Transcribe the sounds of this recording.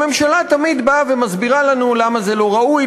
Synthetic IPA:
me̞mʃalat̪amid̪bave̞mazbiʁalanulamaze̞lo̞ʁauj

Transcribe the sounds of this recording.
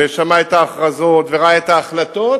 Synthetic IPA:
eʃamaet̪aːχʁazo̞t̪veʁaaet̪aːχlat̪o̞t

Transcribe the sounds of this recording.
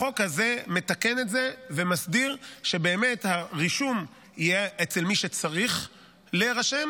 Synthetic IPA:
χo̞khazeme̞t̪ake̞ne̞tze̞ve̞masdiʁʃe̞be̞ːmethaʁiʃum | ijeʔet͡selmiʃet͡saʁiχ | leʁaʃem

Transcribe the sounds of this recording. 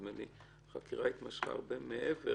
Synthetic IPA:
meni | χakiʁait̪maʃχa̰a̰ʁbemeʔeve

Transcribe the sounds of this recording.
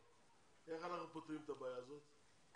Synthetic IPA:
eχalaχəpot̪ʁimt̪abajaːzot̪

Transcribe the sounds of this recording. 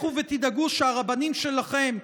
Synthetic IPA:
uvet̪id̪aɡuʃeaʁabanimʃe̞laχe̞m

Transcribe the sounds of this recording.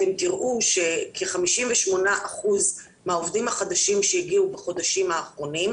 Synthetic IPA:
temtiʁʔuʃe̞kʰeχamiʃimveʃmo̞naʔaχuz | meaovdimhaχadaʃimʃejiɡiubaχo̞daʃimhaːχʁo̞nim

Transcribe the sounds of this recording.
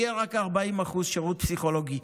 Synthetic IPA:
eʁakaʁbaimaχuzʃeʁut̪̚psiχo̞loɡi

